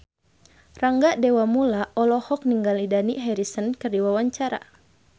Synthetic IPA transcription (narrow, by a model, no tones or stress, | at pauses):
raŋɡaʔdewamulaʔɔlɔhɔk̚niŋɡalidaniɦɛɾisənkɨrdiwawaɲt͡ʃaɾa̰